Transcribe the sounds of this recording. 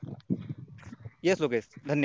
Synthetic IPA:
jesloːkesd̪ʱɐnjə

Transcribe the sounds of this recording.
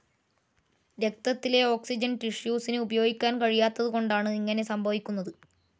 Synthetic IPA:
ɾe̞k̚t̪ɐt̪ːile̞o̞ːksid͡ʑɐnʈiʂjuːsinɨubɐjo̞ːɡikʲːaːnkɐɻijaːt̪ːɐðɨko̞ɳɖaːɳɨiŋːɐne̞sɐmbʱɐʋikʲːunːɐðɨ

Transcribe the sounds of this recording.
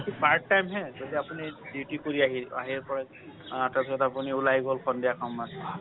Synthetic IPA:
kipaɾʈːajmɦɛzodiapuniduʈikoɹiaɦia̰ɦiɹpɔɹɛ | tasɔtapuniulajɡɔlkʰɔndijakʰɔmːas

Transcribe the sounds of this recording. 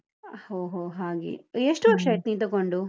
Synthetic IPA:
hoːɦoːɦaːɡḛeʂʈuɐʃɐʈ̚niːt̪ɐkoɳɖu

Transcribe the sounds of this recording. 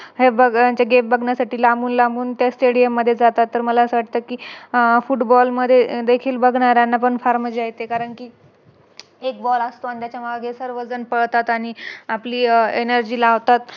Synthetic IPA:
ɦebəɡaɲt͡ɕaɡembəɡʱɳjasaʈiːlaɡuːnlambuːnt̪jasʈeɽijəmːəd̪ʱːjed͡zat̪at̪ːəɾməlasʋaʈ̚t̪əkiːfuʈbɔlməd̪ʱːjed̪ekʰiːlbəɡʱɳaɾjanːap̬əɳfaɾməd͡ʑajt̪ekaɾəɳkiː | ek̚bɔləst̪oant̪jat͡ɕamaɡʱesəɾʋəd͡zənpəɽt̪at̪aɽ̃iapliːenəɾd͡ʑiːlaːʋt̪at̪

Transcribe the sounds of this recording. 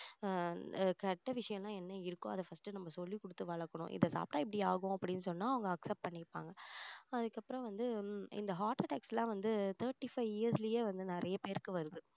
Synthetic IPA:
kɐʈːɐʋɪʂɐjɐ̃lãːɛnːɐɪɾɯkːõːɐðɐfɐsʈɯnɐmːɐsɔlːikɔɽɯt̪ːɯʋɐɭɐkːɐɳʊ̰̃ʔɪ̰ðɐsa̰ːpʈãːɪp̬ːɐɽiaːɣõɐpːɐɽɪnːɯsɔnːaːɐʋɐŋɡɐːksɛp̚pɐɳːɪpːa̰ːŋɡɐɐðɯkːɐpːɾɔ̃ʋɐnd̪ɯɪ̰nd̪ɐɦaːʈɐʈɛːksɛlãːʋɐnd̪ɯt̪ʰɐːɾʈːifɐɪʋɪjɐɾslɐjeːʋɐnd̪ɯnɪɾɐjɐpeːɾɯkːɯʋɐɾɯðɯ

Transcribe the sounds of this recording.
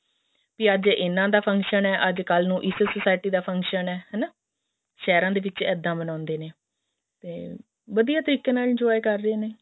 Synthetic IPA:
piːəd͡ʒɪnãːd̪aːpʰə̃ŋkʃənɛːʔəd͡ʒkəlnũːʔɪssəsaːɪʈiːd̪aːpʰəŋkʃənɛːhɛːnaː | ʃɛːɾãːd̪eːʋɪt͡ʃɛːd̪ːãːbənãːnd̪eːneː | t̪eː | ʋəd̪ijaːt̪əɾiːkẽːnaːld͡ʒoaekəɾːeːneː

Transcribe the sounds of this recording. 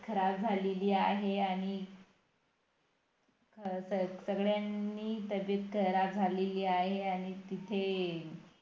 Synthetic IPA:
kʰəɾab̚d͡zʱaleliːa̰ɦeaɽ̃i | kʰəsəsəɡɭjanːiːt̪əbjət̪̚kʰəɾab̚d͡zʱaleliːaɦeaɽ̃it̪it̪ʰe

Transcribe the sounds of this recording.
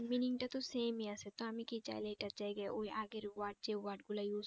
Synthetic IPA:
miniŋʈat̪ɔsemiaset̪ɔamikit͡ʃa̰jleʈat͡ʃajɡajʔojʔaɡeɾwaʈ̚d͡ʒewaʈɡulajus

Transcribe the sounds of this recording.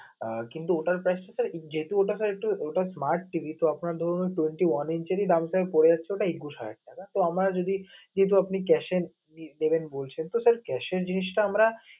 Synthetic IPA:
kint̪uoʈaɾpɾɛsʈasaɾd͡ʑet̪uoʈasaɾek̚ʈuoʈasmaɾʈːibʱit̪oapnaɾd̪ʱɔɾoneʈweɳʈiwanint͡ɕeɾid̪amsakoɾed͡ʑat͡ɕːɕʰeoʈaiɡuʃakḛʈ̚iak̪at̪oamɾad͡ʑod̪ʱid͡ʑeɦt̪̬uapnikɛʃe | nid̪ebenbolt͡ɕʰent̪osəɾkɛʃeɾd͡ʑiniʃʈaamɾa

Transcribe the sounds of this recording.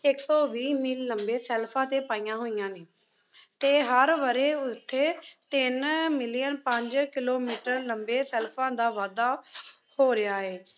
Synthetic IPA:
ɪksɔːʋiːmɪlːəmbeːsɛːlpʰãːt̪eːpaːijãːɦoːijãːneː | t̪eːɦəɾʋəɾeːʊt̪ʰːeːt̪ɪnmɪlɪjənpəɲd͡ʒkɪloːmiːʈəɾləmbeːsɛːlpʰãːd̪aːʋaːd̪aːhoːɾɪaːeː

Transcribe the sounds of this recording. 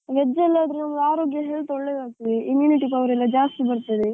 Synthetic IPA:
ʋɛd͡ʒɐɛlːaːd̪ɾunɐmːɐd̪aːɾoːɡjɐɦeːɭt̪ɔɭːeːd̪aːk̚t̪id̪iimjuːniʈipɐʋɾɛlːɐd͡ʒaːst̪ibɐɾt̪ːid̪e

